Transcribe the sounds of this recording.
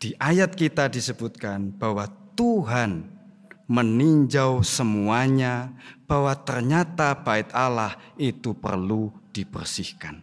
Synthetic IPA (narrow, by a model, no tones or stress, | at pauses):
d̥iʔajat̪̚kit̪adisəbut̪̚kanb̥awat̪uɦan | məniɲd͡ʒawsəmuaɲab̥awat̪ərɲat̪ab̥aɪt̪̚alahit̪upə̰rlud̥ibərsɪhkan